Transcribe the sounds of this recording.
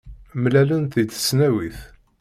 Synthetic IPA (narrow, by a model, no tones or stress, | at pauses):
mlælənt̪it͡s̪ːə̥snæwiθ